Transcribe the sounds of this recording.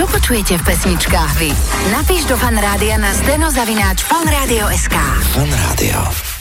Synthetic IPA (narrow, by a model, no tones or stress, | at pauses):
ɔpɔt͡ʃujɛcɛfpɛsɲit͡ʃkaːɣʋi | napiːʒd̪ɔfanɾaːd̪ianazd̪ɛnɔzaʋinaːt͡ʃfanɾaːd̪iɔɛskaːfanɾa̰ːd̪ḭɔ̰